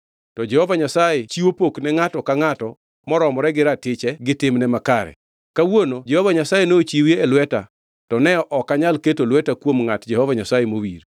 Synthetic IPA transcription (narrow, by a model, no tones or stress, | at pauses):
tɔd͡ʒɛhɔvaɲasajɛt͡ʃiwopoknɛŋatɔkaŋatɔ | mɔɾɔmɔɾɛɡɪɾatɪt͡ʃɛɡɪtɪmnɛmakaɾɛ̰ | kawonod͡ʒɛhɔvaɲasajenoot͡ʃiwjeːlwɛta̰ | tɔnɛɔʔɔkːaɲalketolwɛtakwomŋatd͡ʒɛhɔvaɲasajemowiɾ